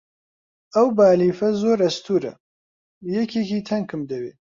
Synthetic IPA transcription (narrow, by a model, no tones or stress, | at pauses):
ɐwbaːliːfɐzoːɾɐst̪ʰuːɾɐ̰ | jɐkʰekiːt̪ʰɐŋkɨmd̪ɐweː